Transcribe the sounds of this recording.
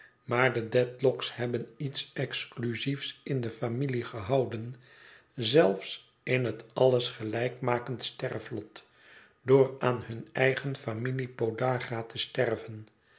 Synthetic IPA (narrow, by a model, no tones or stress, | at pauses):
maːɹdədɛtlɔkshɛbənitsɛksklyzifsɪndəfamiliχəɦɑwdən | zɛlˠfs | ɪnɦətɑlˠəsχəlɛjkmaːkəntstɛrflɔt | doːɹaːnhɵnɛjχənfamilipodaːχaːtəstɛrvən